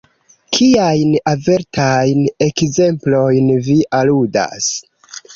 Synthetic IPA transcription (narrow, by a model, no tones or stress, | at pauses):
kʰiajnave̞ɾtʰajne̞kze̞mplo̞jnviʔaluda̰s